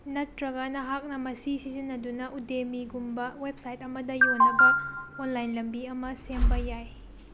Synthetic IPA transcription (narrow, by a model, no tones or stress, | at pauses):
nɐtɾɐɡɐnɐɦak̚nɐmɐsisizinːɐdunɐʔudemiɡumbɐwep̚sajtɐmɐdɐjonːɐbɐonlajnlɐmbiɐmɐsembɐjaj